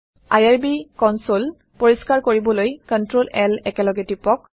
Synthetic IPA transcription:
ajaɹbikɔnsol | poɹiskaɹkoɹibɔlojkɔntɹolɛlɛkɛlɔɡɛtipɔk̚

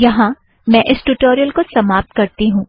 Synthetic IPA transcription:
jɐɦã | mɛ̃ʔɪsʈuʈoːɾijəlkosɐmaːp̚t̪kɐɾt̪iɦũː

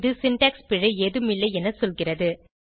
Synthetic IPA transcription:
ðɯsɪnʈɐːkspɪɻɐeːðɯmɪlːɐɛnɐsɔlɣɪrɐðɯ

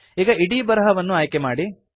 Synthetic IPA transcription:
iːɡɐiɽiːbɐɾɐɦɐʋɐnːuaːjkemaːɽi

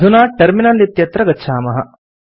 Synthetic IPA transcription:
unaːʈɐɾminɐlit̪jɐt̪ɾɐɡɐtːʃʰaːmɐɦɐ̰

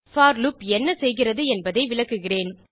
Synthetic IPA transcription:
faːɾlʊpɛnːɐsɛjɣɪrɐðɯɛnbɐðɐɪʋɪɭɐkːɯɣɪreːn

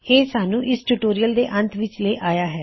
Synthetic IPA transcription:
eːsaːnũːʔɪsʈuːʈoːɾiːəld̪eːʔə̃nt̪ʰʋɪt͡ʃleːʔaːjaːɦɛː

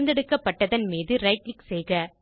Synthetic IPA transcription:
nd̪ɛɽɯkːɐpːɐʈːɐðɐnmiːðɯɾɐɪklɪksɛjɣɐ

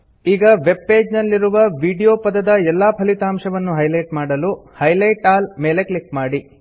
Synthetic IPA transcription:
iːɡɐʋe̞b̚pe̞ːd͡ʒnɐlːiɾuʋɐʋiːɖijoːpɐd̪ɐd̪ɐɛlːaːpʰɐlit̪aːmʂɐʋɐnːuɦɐjlɐjʈmaːɽɐluhɐjlɐjʈaːlmeːleklikmaːɽi

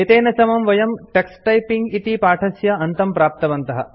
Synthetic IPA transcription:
et̪eːnɐsɐmɐmʋɐjɐmʈeksʈɐjpiŋɡit̪ipaːʈʰɐsjɐɐnt̪ɐmpɾaːp̚t̪ɐʋɐnt̪ɐɦɐ

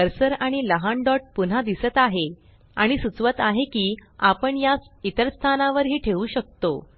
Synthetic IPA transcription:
əɾsəɾaɽ̃iləɦaɳɖɔʈ̚pun̤ad̪isət̪aɦe | a̰ɽ̃isut͡sʋət̪aɦekiːapəɳjasit̪əɾst̪ʰanaʋəɾɦiːʈʰeʋuːɕək̚t̪o

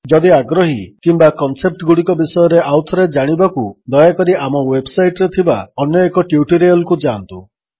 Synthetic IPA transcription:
d͡ʒɔd̪iaɡɾɔɦikimbakɔnsep̚ʈɡuɽikɔbisɔjɔɾeawt̪ʰɔɾed͡ʒaɽ̃ibakud̪ɔjakɔɾiamɔwebsajʈɔɾet̪ʰibaɔnjɔekɔʈjuʈiɾejɔlkud͡ʒant̪u

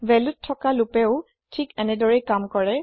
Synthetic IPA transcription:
vɛlutʰːɔkalʊpɛʊ | tʰikɛnɛdɔɹɛkamkɔɹɛ

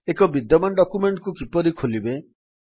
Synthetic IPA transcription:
ekɔbid̪jɔmanɖɔkumeɳʈkukipɔɾikʰolibe

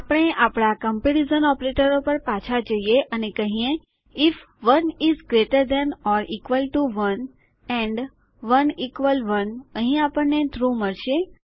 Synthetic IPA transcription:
apəɳ̃eʔapɽ̃akəmpjuʈizənɔpɾeʈəɾopəɾpat͡ʃʰad͡ʒəjeʔənekəɦĩẽ | ɪf | ʋənizɡɾeʈəɾd̪ɛnɔɾikʋəlʈuʋən | ɛ̃ɳɖ | ʋənikʋəlʋənəɦĩapəɳːet̪ʰɾuməɭʃe

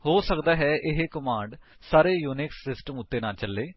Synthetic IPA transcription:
hoːsəkd̪aːɦɛːʔɪɦekəmãːɳɖsaːɾeːjuːnɪksːɪsʈəmʊt̪ːeːnaːlt͡ʃəlːeː

